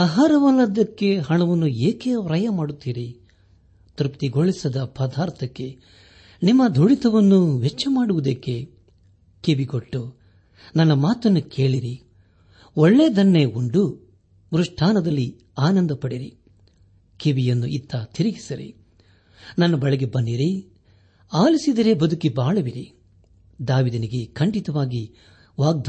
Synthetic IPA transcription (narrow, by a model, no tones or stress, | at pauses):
aːɦaːɾɐʋɐlɐd̪ɐkːe̞ɦɐɳɐʋɐnːueːkeːʋɾɐjɐmaːɽut̪ːiːɾi | t̪ɾupt̪iɡoɭisɐd̪ɐpɐd̪ʱaːɾt̪ʰɐkːe̞ | nimːɐd̪ʱuɽit̪ɐʋɐnːuʋet͡ʃːɐmaːɽuʋud̪ɐkːe̞ | keʋiɡoʈːu | nɐnːɐmaːt̪ɐnːukʰe̞ːɭiɾi | ɔɭːe̞ːd̪ɐnːeːuɳɖu | ɾuʂʈʰaːnɐd̪ɐlːi | aːnɐnd̪ɐpɐɽiɾḭ | keʋijɐnːuʔit̪ːɐt̪iɾiɡisiɾḭ | nɐnːɐbɐɭɛɡebɐnːdiɾi | aːlisid̪ɐɾebɐd̪ʱukibaːɭuʋiɾi | d̪aːʋiːd̪ɐniɡekʰɐɳɖit̪ɐʋaːɡi | ʋaːɡ̚d̪ʱ